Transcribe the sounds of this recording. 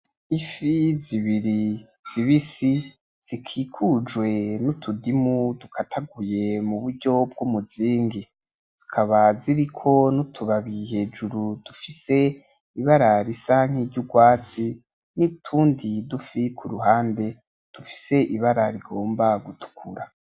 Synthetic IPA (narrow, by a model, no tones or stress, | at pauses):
ifiziβiɾi | z̥iβisi | z̥ikʰiːkʰud͡ʒwe̞nutʰudimudukʰatʰaɡuje̞muβuɾɟo̞b̚ɡumuziːŋɡi | z̥ikʰaβaziɾikʰo̞nutʰuβaβihe̞ːd͡ʒuɾud̥ufise̞ | iβaɾaɾisaŋ̥iːɾɟuɡwaːt͡si | nitʰuːndidufikʰuɾuɦaːnde̞ | d̥ufi̥se̞ʔiβaɾaɾiɡo̞ːmbaɡutʰu̥kʰuɾa